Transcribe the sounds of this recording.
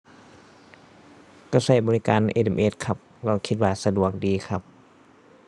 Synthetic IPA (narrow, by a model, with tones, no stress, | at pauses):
kaː˧˩sa˧˩jbɔː˧i˦˧kaː˧nʔḛː˧˩de˧˩mʔeː˧˥t̪̚kʰa˧˩p̚lɛː˧˩kʰi˧t̪̚waː˧sa˧du˨˩ək̚diː˨kʰa˧˩p̚